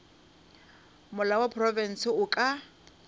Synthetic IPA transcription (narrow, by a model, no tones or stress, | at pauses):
mʊlawapʰrɔvɛn̩sɪʊkʼa